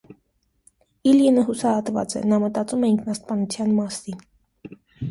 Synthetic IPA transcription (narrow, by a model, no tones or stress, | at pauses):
iljinəɦusɑhɑt̪vɑ̰t͡sɛ̰nɑmət̪ɑt͡sumɛiŋkʰnɑst̪̚pɑnut͡sʰjɑnmɑsin